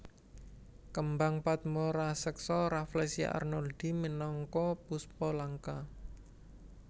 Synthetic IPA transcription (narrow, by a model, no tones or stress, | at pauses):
kəmbaŋpat̪̚moɾasəksɔɾaflɛsia̰ʔa̰rnɔld̥imənɔŋkɔpuspɔlaŋka